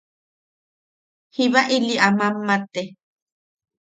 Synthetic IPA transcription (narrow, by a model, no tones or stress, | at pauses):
hiβaʔiliʔamamːat̪e